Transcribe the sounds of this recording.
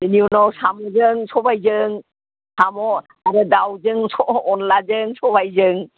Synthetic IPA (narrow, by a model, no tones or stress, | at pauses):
diniunɔsamɔzɯŋsɔbajzɯŋ | sʰamɔ | aɾɯdawzɯŋsʰɔɔnlazɯŋsɔbajzɯŋ